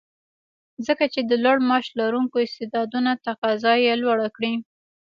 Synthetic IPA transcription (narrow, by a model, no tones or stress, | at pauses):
zəkat͡ʃed̪əlwaɽmɑʃlaɾuŋkoɪst̪ed̪ɑd̪unat̪aqɑzɑjelwaɽakɽi